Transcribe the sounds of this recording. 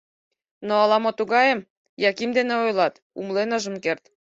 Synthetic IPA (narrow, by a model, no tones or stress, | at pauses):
noɑlɑmot̪uɣɑjem | jɑkimd̪eneojlɑt̪ | umlenɤ̆ʒə̆mkert̪